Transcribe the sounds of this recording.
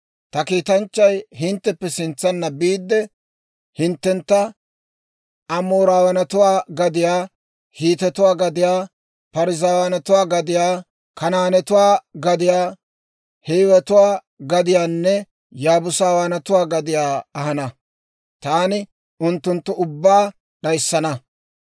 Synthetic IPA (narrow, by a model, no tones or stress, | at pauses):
t̪ɐkiːt̪ɐnt͡ʃːɐjɦɪnt̪ːɛpːɛsɪnt͡sːɐnːɐbiːd̪ːɛ | hɪnt̪ːɛnt̪ːɐ | ɐmoːɾaːwɐnɐt̪ʊwaːɡɐd̪ɪjaː | hiːt̪ɛt̪ʊwaːɡɐd̪ɪjaː | pɐɾɪzaːwɐnɐt̪ʊwaːɡɐd̪ɪjaː | kɐnaːnɛt̪ʊwaːɡɐd̪ɪjaː | heːwɛt̪ʊwaː | ɡɐd̪ɪjaːnːɛ | jaːbʊsaːwaːnɐt̪ʊwaːɡɐd̪ɪjaːɐhɐnɐ | t̪aːnɪ | ʔʊnt̪ːʊnt̪ːɔʊbːaː | ɗɐjsːɐnɐ